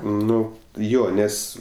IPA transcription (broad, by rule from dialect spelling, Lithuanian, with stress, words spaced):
ˈnʊ ˈjoː ˈnʲɛs